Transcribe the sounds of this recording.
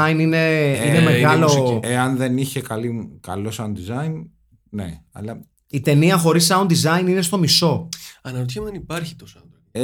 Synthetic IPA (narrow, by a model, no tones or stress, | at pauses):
ɐinine̞inemeɣɐlo̞eɐnðe̞niçe̞kɐlikɐlo̞sɐund̪izɐin | neɐ̰lɐ | it̪e̞niɐxo̞ɾisːɐund̪izɐinine̞st̪o̞miso̞ɐnɐot̪çɐmuðenipɐɾçi̥t̪osɐndɾo